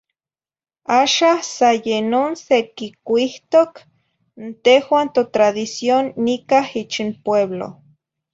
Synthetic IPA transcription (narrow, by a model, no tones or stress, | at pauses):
aːʃasajenonsekikʷiht̪ok | nt̪ehwant̪ot̪ɾaðisjonːikahit͡ʃinpweβlo̰